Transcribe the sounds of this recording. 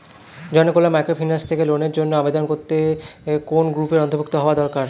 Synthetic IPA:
d͡ʑɔnokolamajkofʰinast̪ʰekeloneɾd͡ʑonːoabed̪onkoɾt̪ekonɡɾupeɾɔnt̪ʰobʱukt̪oɦɔoad̪ɔɾkaɾ

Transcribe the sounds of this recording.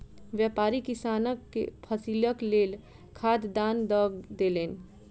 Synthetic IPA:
ʋjəpaɾikisanəkːḛpʰəsiləklel | kʰad̪d̪and̪əɡd̪elen

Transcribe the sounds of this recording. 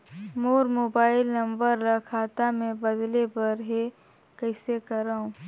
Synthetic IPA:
moːɾmoːbaːɪlnɐ̃mbəɾːɐkʰaːt̪amẽbɐd̪lebɐɾɦe | kɐɪsekɐɾaːũ

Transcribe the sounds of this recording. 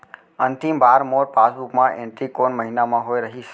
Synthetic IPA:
ənt̪imbaɾmoɾpasbukmãʔɛ̃ɳʈɾikonməɦinamãɦojɾəɦiʃ

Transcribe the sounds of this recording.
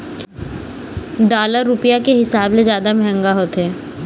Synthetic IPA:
ɖaːləɾːʊpijakeɦɪsaːbled͡ʒjaːd̪amɛɦə̃ŋɡaɦoːt̪ɦɛː

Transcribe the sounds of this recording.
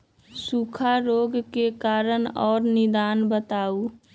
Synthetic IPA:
sukʰaɾoːɡkekaːɾənɔːɾnɪd̪aːnbət̪aːu

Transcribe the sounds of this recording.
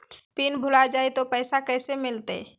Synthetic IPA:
piːnbʱʊlad͡ʒaːet̪opɛːsakɛːsemɪlt̪ḛ

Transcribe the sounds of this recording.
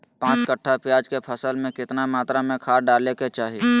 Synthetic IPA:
pãːt͡ʃkəʈʰːapjaːd͡ʒkepʰəsəlmẽkɪt̪namaːt̪ɾamẽkʰaːɾɖaːleket͡ʃaːɦie

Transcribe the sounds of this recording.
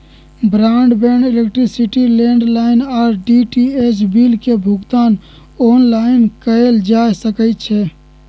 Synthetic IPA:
bɾaɳɖbɛɳɖelekʈɾisiʈilẽɳɖlaɪnaːɾɖiʈiet͡ʃbilkebʱʊɡt̪aːn | oːnlaɪnkəeld͡ʒajsəkəɪt̪̚t͡ʃʰɛ

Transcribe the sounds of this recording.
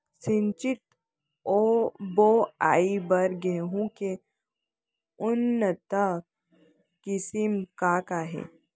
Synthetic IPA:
sɪ̃nt͡ʃɪt̪ | oːboa̰ːibɐɾɡeːɦũke | ʊnːət̪ə | kɪsimkakaːɦḛː

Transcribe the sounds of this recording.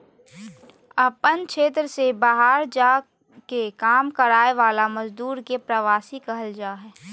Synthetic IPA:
əpənkʃʰeːt̪ɾəsebaːɦaːɾd͡ʒaː | kekaːmkəɾaːeʋaːlamɐzd̪uːɾkepɾəʋaːsikɐɦəld͡ʒaːɦɛː

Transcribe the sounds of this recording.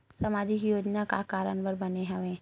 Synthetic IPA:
sɐmaːd͡ʒɪkjoːd͡ʒnaka̰kaːɾəɳʋəɾbɐneɦɐʋẽː

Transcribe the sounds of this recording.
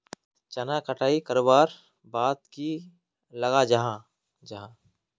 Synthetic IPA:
t͡ʃɐnakəʈʰaːikɐɾoːbaːɾ | baːt̪ki | lɐɡad͡ʒɐɦã | d͡ʒɐɦãː

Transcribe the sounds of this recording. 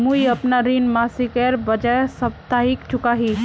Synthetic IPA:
muiəpnaɾinmasikɛɾbəd͡ʒasəb̚t̪aɦikt͡ʃʰukaɦi

